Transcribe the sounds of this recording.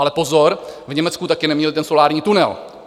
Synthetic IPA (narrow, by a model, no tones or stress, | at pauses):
alɛpo̞zo̞ɾvɲɛmɛt͡skut̪akɪnɛmɲɛlt̪ɛnso̞laːɾɲiːt̪unɛ̰l